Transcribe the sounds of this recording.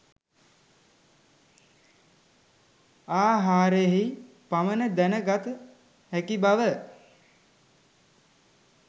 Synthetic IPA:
aːɦaːɾejɦi | pamənəd̪ænəɡat̪ə | hækibaʋə

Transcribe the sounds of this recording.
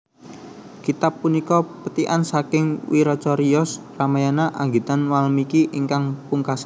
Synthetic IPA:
kit̪apːunikɔpət̪iʔansakɪŋwiɾɔt͡ʃɔɾiɔsramajanaʔaŋɡit̪anwalmikiʔiŋkaŋpuŋkasa

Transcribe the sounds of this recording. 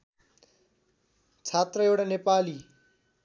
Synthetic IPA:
t͡sʰat̪rʌewɽanepali

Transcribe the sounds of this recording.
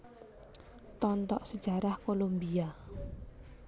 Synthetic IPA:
t̪ɔnt̪ɔʔsə̥d͡ʒa̤ɾahkolombia

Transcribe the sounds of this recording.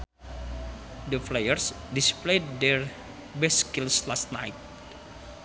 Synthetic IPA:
dəflejərs | displedɛr | bɛskilslast̪najt̪̚

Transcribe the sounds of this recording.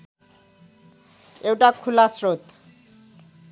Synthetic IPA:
eutʼakʰulasroːt̪ʰ

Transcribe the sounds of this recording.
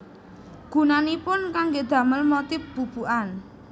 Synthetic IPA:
ɡ̥ṳnanipʊnkaŋɡed̪̥ä̤məlmot̪ɪfb̥ṳb̥uʔan

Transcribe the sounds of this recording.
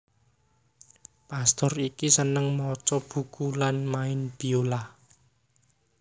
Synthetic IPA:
past̪ɔrikisənəŋmɔt͡ʃɔb̥ṳkulanmaɪnb̥iola

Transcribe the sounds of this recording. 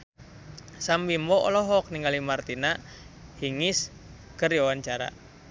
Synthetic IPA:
sambimbɔɔ̰lɔɦɔk̚niŋɡalimart̪ina | hiŋis | kərjawant͡ʃaɾa̰

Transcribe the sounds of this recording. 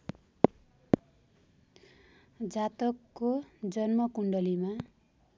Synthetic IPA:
d͡zat̪ʌkːod͡zʌnmʌkuɳɖʌlima

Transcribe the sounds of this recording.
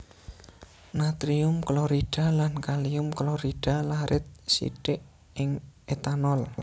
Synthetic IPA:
nat̪ɾiʊmklɔɾiɖ̥a̤lankaliʊmklɔɾiɖ̥a̤laɾʔɪt̪̚sḭɖ̥ɪʔ | ɪŋet̪anɔl

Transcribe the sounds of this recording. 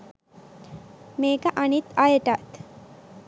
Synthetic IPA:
meːkəʔanit̪ajəʈat̪

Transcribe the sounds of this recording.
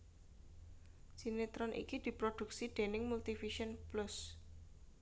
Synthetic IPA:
sinet̪ɾɔnʔḭkid̪̥i̤pɾod̪̥ṳk̚siɖ̪̥e̤nɪŋmult̪ifiʃɔnplʊs

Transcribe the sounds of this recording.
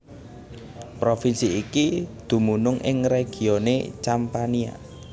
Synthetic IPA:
pɾofinsiːkid̪̥ṳmunʊŋʔɪ̰ŋreɡ̥i̤onḛt͡ʃampania̰

